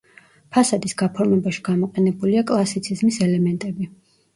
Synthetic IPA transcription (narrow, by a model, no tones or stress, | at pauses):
pʰasad̪isɡapʰɔɾmɛbaʃi̥ɡ̥amɔqʼɛnɛbuliakʼlˠasit̪sʰizmisɛlɛmɛnt̪ʼɛbi